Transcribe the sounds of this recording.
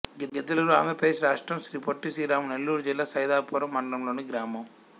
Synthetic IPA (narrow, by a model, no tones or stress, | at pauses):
ɡɡed̪ɐlɐlua̰ːmɐpɐd̪eːʃɾaːʂʈɾɐmʃɾiːpoʈːisiːɾaːmunelːuːɾud͡ʒilːaːsɐjd̪aːpɔːɾɐmːɐɳɖɐlɐmlo̞ːniɡɾaːmɐm